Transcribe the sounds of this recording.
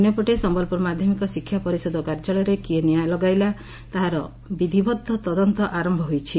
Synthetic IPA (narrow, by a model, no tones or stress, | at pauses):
njɔpɔʈesɔmbɔlpuɾɔmad̪ʱjɔmikɔsikʰːjapɔɾisɔd̪ʱɔkaɾd͡ʒɔɭɔɾekienijajlɔɡajla | t̪aɦaɾɔ | bid̪ʱibɔd̪ʱːɔt̪ɔd̪ɔnt̪ɔʔaɾɔmbʱɔɦojt͡ʃʰi